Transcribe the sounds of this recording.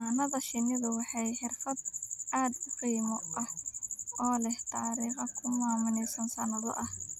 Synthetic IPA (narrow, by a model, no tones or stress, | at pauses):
anɐðɐʃɪnɪðʊwɑħɑjħɪrfɐd̪ʔaːd̪ʊfijmɔʔɐh | ɔːlɛht̪ʰaːɾiːqɐkʰʊmaːmɪnɛjsɐnsɐnɐðɔ̰ʔɐh